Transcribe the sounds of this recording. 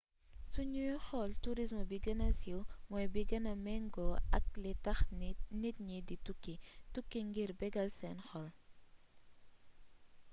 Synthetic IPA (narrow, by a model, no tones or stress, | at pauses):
suɲujxɔltuɾismɔbiɡɐnɐsiwmɔjbiɡɐnɐmɛŋɡɔɐk̚litɐxnit̚ɲiditukːitukːiŋɡiɾbɛɡɐlsɛnxɔl